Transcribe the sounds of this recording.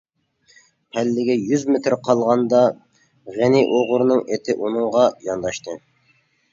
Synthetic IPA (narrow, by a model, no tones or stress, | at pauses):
pʰælːɪɡʲɛjyzmet̪ʰɾqʰɑlˠʁɑnd̪ɑ | ʁenɪʔoʁʊɾnɨŋet̪ʰɪʔunɨŋʁɑjɑnd̪ɑʃt̪ʰɨ